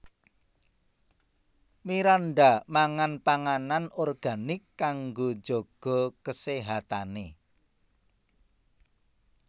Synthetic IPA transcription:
miɾanɖamaŋanpaŋananorɡ̥a̤nɪkːaŋɡod͡ʒ̥o̤ɡ̥ɔ̤kəseɦat̪ane

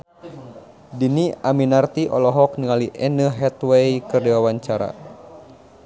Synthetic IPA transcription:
diniaminart̪iʔɔlɔɦɔk̚niŋaliʔɛnəɦɛt̪wejkɨrdiwawaɲt͡ʃaɾa̰

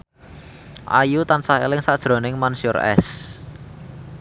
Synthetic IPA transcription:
ʔa̰jut̪ansahḛlɪŋsaʔd̥ʒ̥ɾɔ̤nɪŋmansɔrɛ̰s

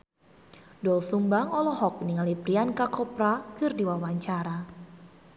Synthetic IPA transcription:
dɔlsumbaŋɔlɔhɔk̚niŋalipɾiankakɔpɾakɨrdiwawaɲt͡ʃaɾa

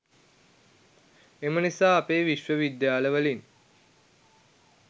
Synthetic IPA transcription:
emənisaːapeːʋiʃʋəʋid̪jaːləʋəlin

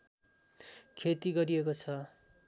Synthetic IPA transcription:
kʰet̪iɡʌɾiekot͡sʰʌ

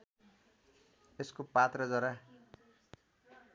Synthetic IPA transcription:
eskopat̪rʌd͡zʌɾa

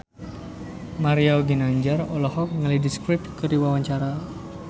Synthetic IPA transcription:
maɾiawɡinaɲd͡ʒarɔlɔhɔk̚ŋalidiskɾip̚kɨriwawaɲt͡ʃaɾa

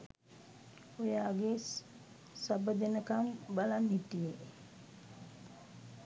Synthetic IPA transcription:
ojaɡe | sabəd̪enəkambalanːit̪ije

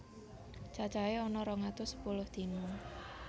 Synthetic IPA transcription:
t͡ʃḁt͡ʃaeɔnɔɾɔŋat̪ʊsə̥pulʊhd̪̥i̤mʊŋ

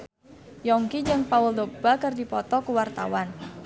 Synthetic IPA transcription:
jɔŋkid͡ʒɨŋpaʊldob̥akərdipɔt̪ɔkəwart̪a̰wan

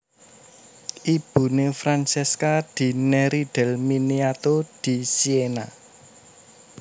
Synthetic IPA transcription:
ʔib̥ṳnefɾant͡ʃɛskad̪̥i̤neɾiɖ̪̥ɛ̤lminiat̪od̪̥i̤siena

